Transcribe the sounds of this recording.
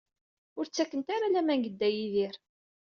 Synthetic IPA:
ʊɾt͡sːækːənt̪aɾalæmænɡəd̪ːæjiðiɾ

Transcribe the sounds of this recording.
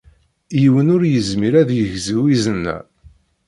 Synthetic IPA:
jiwənʊɾjəzmiɾæðjəʝziwizənːæ̰

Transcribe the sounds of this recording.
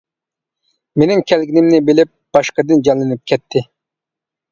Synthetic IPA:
menɪŋkʲʰɛlɡʲinɪmnɪbɪlɪp̚b̥ɑʃqəd̪ɨnd͡ʒɑnlˠɨnɪp̚kʲʰɛt̪ʰːɪ

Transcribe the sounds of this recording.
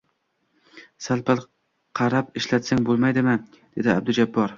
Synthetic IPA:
salˠpal | qʰɑɾapɪʃlat̪saŋbolˠmajd̪ɪmɪ | d̪̥e̞d̪ɪab̚d̪ʊd͡ʒabːɒɾ

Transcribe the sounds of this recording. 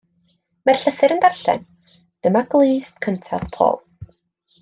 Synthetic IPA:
mɛrɬəθɨɾəndarɬɛ̰n | d̥əmaɡlˠiːstkʰəntʰa̰v̥pʰo̰ːlˠ

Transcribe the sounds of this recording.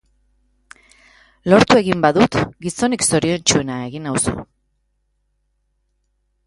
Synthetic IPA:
lo̞ɾt̪ue̞ɣimbaðut̪ɡiso̞nikso̞ɾio̞nt͡ʃue̞naeɣinawsṵ

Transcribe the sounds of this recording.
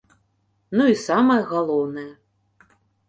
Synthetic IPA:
nuisamɐjɐɣalˠɔwnɐjɐ

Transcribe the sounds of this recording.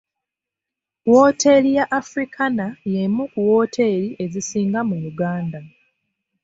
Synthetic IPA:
wo̞ːte̞lijaʔːfɾikʰanajemukuwoːtʰe̞ːliʔe̞zisiːŋɡamuluɡaːnda

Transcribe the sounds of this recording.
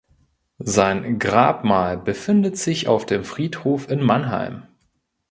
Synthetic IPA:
zaɪnɡʁaːpmaːlbəfɪndətz̥ɪça̰ʊfd̥eːmfʁ̥iːthoːfɪnmanɦa̰ɪm

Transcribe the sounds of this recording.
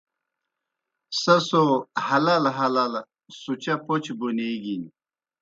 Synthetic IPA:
sɐsohɐlɐlɦɐlɐl | sut͡ɕɐpot͡ɕbuneɡin

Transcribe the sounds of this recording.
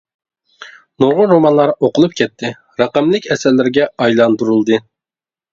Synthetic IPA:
noɾʁʊnɾomɑnlˠɑɾoqʊlˠup̚kʲʰɛt̪ʰːɪ | ɾɑqæmlɪkʲɛsɛllːɪɾɡʲɛɑjlˠɑnd̪uɾulˠd̪ɨ

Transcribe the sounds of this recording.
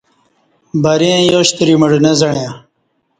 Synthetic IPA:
bɐɾẽjoːɕt̪əɾiməɽnezɐɳjẽ

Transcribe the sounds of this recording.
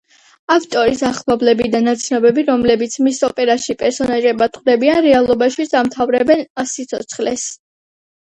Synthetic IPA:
afʰt̪ʼɔɾisaχlˠɔblɛbid̪anat̪sʰnɔbɛbiɾɔmlɛbit̪sʰmisɔpʼɛɾaʃipʼɛɾsɔnaʒɛbat̪ʼχʼd̪ɛbianɾɛalˠɔbaʃisamt̪ʰavɾɛbɛnsit̪sʰɔt̪sʰχlɛs

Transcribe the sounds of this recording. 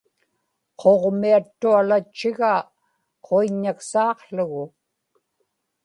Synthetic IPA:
qʰoʁmiat̪ːualat͡ʃːɪɣa | qʰoiɲːaksɑːqɬʊɣʊ

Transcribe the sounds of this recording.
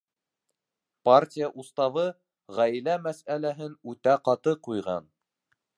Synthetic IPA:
partʲijaʔust̪ɑβɤ | ʁæjlæmæsælæɦɘnʉt̪æqɑt̪ɤqujʁɑ̰n

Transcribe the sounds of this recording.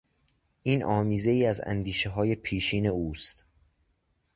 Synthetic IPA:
ʔiːnʔɒːmiːze̞iːæzæ̰nd̪iːʃeɦɒːje̞pʰiːʃiːne̞uːst̪

